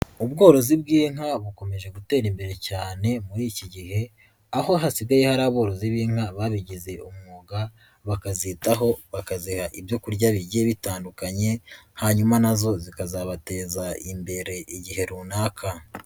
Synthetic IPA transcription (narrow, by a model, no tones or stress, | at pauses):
ubɡo̞ːɾo̞zibɡiːŋaβuko̞me̞ʒe̞ɡute̞ːɾimbe̞ɾe̞caːne̞muɾiːciɟihe̞ | aho̞ɦasiɡajehaɾaːβo̞ːɾo̞ziβiːŋ̥haβaːβiɟize̞ʔumŋuɡa | βakazitaɦo̞βakazihaʔibjo̞kuɾɟaβiɟe̞βitaːndukaɲe̞haɲumanazo̞zikazaβate̞ːzaimbe̞ɾe̞ʔiɟiɦe̞ɾuːnaːkʰa